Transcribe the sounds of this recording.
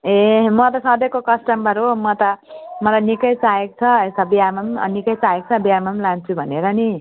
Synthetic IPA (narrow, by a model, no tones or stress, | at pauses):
emʌt̪ʌsʌ̃d̪ʌkokʌsʈʌmbʌɾumʌt̪ʌmʌlajnikʌjt͡saekt͡sʰʌesʌbiamʌm̰nikʌjt͡saek̚t͡sʰʌbiamʌmlant͡sʰubʱʌneɾʌni